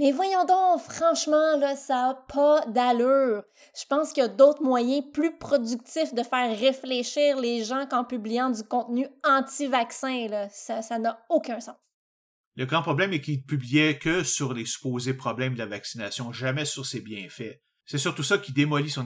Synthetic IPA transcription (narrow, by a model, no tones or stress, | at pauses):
mɛvwajɑ̃d̪ɔ̃fχɑ̃ʃmɑ̃lʌsaːpʰʌd̪alʉːʁ | ʒ̥ə̥pɑ̃skʲijad̪ot̪χmwajɛ̃plypχɔdd͡zyk̚t̪ɪfd̪əfɛːʁːefleʃiːʁleʒɑ̃kɑ̃pyblijɑ̃dd͡zykɔ̃t̪nyɑ̃t̪ivaksɛ̃lʌsasanʌokʲœ̃sɑ̃ːs | ləɡʁɑ̃pʁɔblɛ̃mɛkʲilpyblijɛkʲəsyʁlesy̥poːzepχɔblɛ̃md̪əlavaksinasjɔ̃ʒamɛsyʁsebjɛ̃fɛ | sɛsyʁt̪usʌkʲid̪emɔlisɔ̃